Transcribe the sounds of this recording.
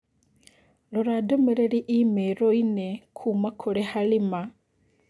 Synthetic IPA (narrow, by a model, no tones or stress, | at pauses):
loɾadomeɾeɾiʔimeɾoinekʰuːmakʰoɾehalima